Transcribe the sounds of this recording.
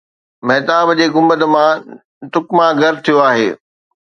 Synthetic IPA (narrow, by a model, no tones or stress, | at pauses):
mɛɦt̪aːbd͡ʑeːɡʊ̃mbət̪ə̆mã | t̪ʊkmãɡʱɐɾt̪ʰijoaːɦeː